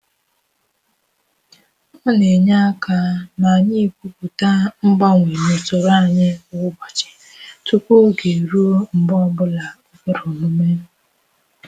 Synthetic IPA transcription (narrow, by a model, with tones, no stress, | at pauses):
ʊ˦ne˨ɲa˦ka˦ma˨ɲi˦˨kʷu˦ku˨ta˦m̩˦ɡ͡ba˦ŋʷi˨ne˨to˨ɾa˦˨ɲɪ˦ʊ˦ɡ͡ba˨t͡ʃɪ̥˨ | tu˦kʷu˦ɡe˨ɾu˦m̩˨bɔ˦bʊ˦la˨o˦kʊ˦ɾʊ˨mʊ˦me˦n̩˦